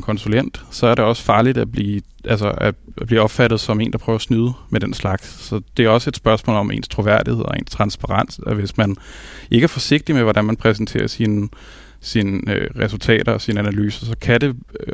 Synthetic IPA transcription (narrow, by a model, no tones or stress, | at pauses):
kʰɒ̽nsulen̰d̥sɒ̽æɐɾe̝ɒ̽sə̥fɑ̈ːlid̥æb̥liː | ʔælsɐæb̥liːɒ̽b̥fæɾ̥ð̩ˠsɒ̽me̝̰ːnd̥ɑpʰʁœːʊɐsnyðˠəmed̥enslɑ̈ɡ̥sːɒ̽d̥e̝æɐɒ̽səe̝d̥sb̥ɶɐsmɔ̰ːlɒ̽me̝̰ːnst͡sʰʁo̝ʋæɐ̰d̥ihe̝ð̞̰ˠɒe̝̰ːnst͡sʰʁɑ̈nsb̥ɑ̈ʁɑ̈n̰sʋe̝smænʔe̝ɡ̥æɐfɒ̽se̝ɡ̥̚d̥imeʋɒɾænmænpʰʁɛs̬n̩t͡sʰe̝̰ːɐsin | sinøʁɛsult͡sʰɛ̰ːɾɐsinænælyːsəsɒ̽kʰæd̥e̝